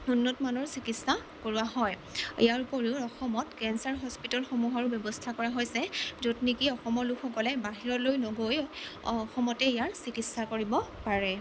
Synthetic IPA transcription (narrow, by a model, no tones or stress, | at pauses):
nunːɔtmanɔɹsikitsa | koɹuaɦɔj | ḭjaɹupɔɹiʊɔxɔmɔtkɛnsaɹɦɔspitɔlxomuɦaɹʊbjɔbɔstʰakɔɹaɦojsɛzotnikiɔxɔmɔɹlukʰxɔkɔlɛbaɦiɹɔlojnɔɡojɔxɔmɔtɛijaɹsikitsakoɹibɔpaɹɛ